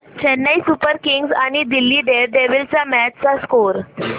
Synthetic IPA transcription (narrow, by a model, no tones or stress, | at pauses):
t͡ɕɛnːaisupəɾkiŋɡzañid̪ilːiːɖeɾɖ̪eʋilt͡samæt͡ɕt͡saskoɾ